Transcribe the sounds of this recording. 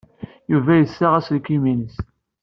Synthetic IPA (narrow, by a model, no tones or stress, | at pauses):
juvæjəsːaʁæslkːiminəs